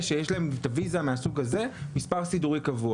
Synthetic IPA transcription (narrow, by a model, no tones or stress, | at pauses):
ʃejeʃlaemt̪avizameasuɡaze̞mispaʁsiduʁikavua